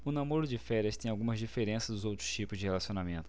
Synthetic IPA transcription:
ʊnamoɾʊd͡ʒɪfɛɾʲɐst̪ẽj̃awɡũmɐzd͡ʒifeɾẽsɐzd̪ʊzowt̪ɾʊ̥st͡ʃipʊzd͡ʒɪhelasiõnamẽnt̪ʊ

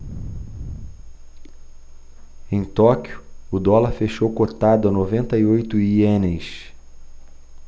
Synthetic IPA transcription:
ẽj̃t̪ɔkjʊːd̪ɔlɐɾfeʃowkot̪ad̪ʊɐnovẽnt̪ɐiojt̪ʊienejs

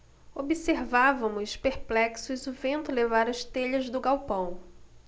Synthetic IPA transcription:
obiseɾvavɐ̃mʊspeɾplɛksʊzʊvẽnt̪ʊlevaɾɐʃt̪eʎɐzd̪ʊɡawpɐ̃w̃

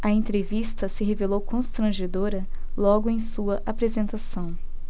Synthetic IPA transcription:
ɐẽnt̪ɾevist̪ɐsɪɦevelowkõst̪ɾɐ̃ʒed̪oɾɐlɔɡʊẽj̃suɐʔapɾezẽnt̪asɐ̃w̃

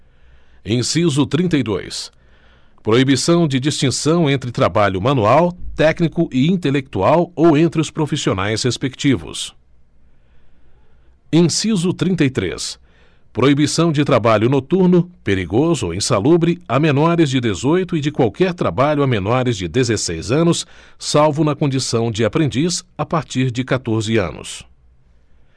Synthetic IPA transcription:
ẽsizʊt̪ɾĩnt̪ɐjd̪o̰js | pɾoibisɐ̃w̃d͡ʒɪd͡ʒist͡ʃĩsɐ̃w̃ẽnt̪ɾɪt̪ɾabaʎʊmɐ̃nuawt̪ɛknikʊʔɪĩnt̪elek̚t̪uawowẽnt̪ɾɪʊspɾofisionajshespekt͡ʃivʊ̰s | ẽsizʊt̪ɾĩnt̪ɐjt̪ɾḛs | pɾoibisɐ̃w̃d͡ʒɪt̪ɾabaʎʊnot̪uɾnʊpeɾiɡozʊo̰ẽsalubɾɪamenɔɾɪzd͡ʒɪd̪ezojt̪ʊɪd͡ʒɪkwawkɛɾt̪ɾabaʎʊamenɔɾɪzd͡ʒɪd̪ezesejzɐ̃nʊsːawvʊnɐkõnd͡ʒisɐ̃w̃d͡ʒɪapɾẽnd͡ʒisapaɾt͡ʃiɾd͡ʒɪkat̪oɾzɪɐ̰̃nʊ̰s

